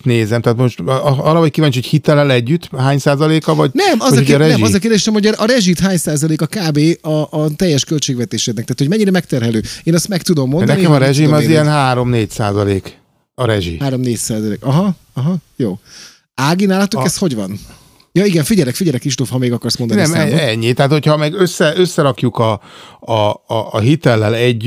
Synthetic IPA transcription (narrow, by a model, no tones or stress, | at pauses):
neːzɛmt̪aːt̪moʃt̪ɒrːɒɦoc̚kivaːɲt͡ʃhochit̪ɛlɛlɛɟːyt̪ːhaːɲsaːzɒleːkɒvɒɟnɛmɒzɒoɾɛnɛmɒzɒkeːrd̪eːʃɛmho̞ɟʔɒɾɛʒit̪ɦaːɲsaːzɒleːkɒkaːbeːɒʔːt̪ɛjːɛʃkølt͡ʃeːɡʋɛt̪eːʃed̪nɛkt̪aːt̪homɛɲːiɾɛmɛk̚t̪ɛrɦɛløːeːnɛst̪mɛkt̪ud̪o̞mːonnɛnikɛmɒɾɛʒimɒziɛnɦaːɾo̞mneːcsa̰ːzɒleːk | ɒɾɛʒḭhaːɾo̞mneːcsaːzɒlḛːkɒɦɒ | ɒɦɒjoː | aːɡinaːlɒt̪ukɛst̪ho̞ɟʋɒn | jɒiɡɛɱfiɟɛlɛkfiɟɛlɛkɾiʃt̪oːfhɒmeːɡɒkɒrsmond̪nniɛmɛɛɲːit̪ɛɦat̪hochɒmɛɡøsːɛʔøsːɛɾɒkjukɒ | ɦit̪ɛlːɛlɛɟ